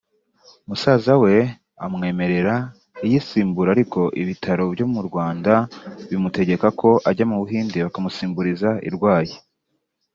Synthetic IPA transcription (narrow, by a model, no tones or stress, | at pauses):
musaːzawe̞ | amŋe̞ːme̞ɾe̞ɾa | ijisiːmbuɾaɾiko̞ʔiβitʰaɾo̞bɟo̞muɾɡwaːndaβimute̞ɟe̞kakʰo̞ʔaɟamuβuɦiːndiβakamusiːmbuɾizaḭɾɡwaːje